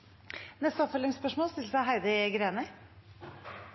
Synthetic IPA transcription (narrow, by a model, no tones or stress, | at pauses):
nɛst̪əɔpfœlɪŋspœʂmoːlst̪ɪlːsæɪɦæɪd̪əɡɾeːnə